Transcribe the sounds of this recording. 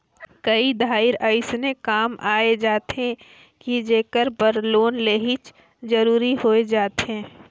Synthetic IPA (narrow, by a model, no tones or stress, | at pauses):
kɐid̪ʱaːɪɾɐɪsnekaːmʔaːed͡ʒaːt̪ẽ | kid͡ʒeːkəɾbəɾloːnleːɦɪt͡ʃ | d͡ʒɐɾuːɾihoed͡ʒaːt̪ẽː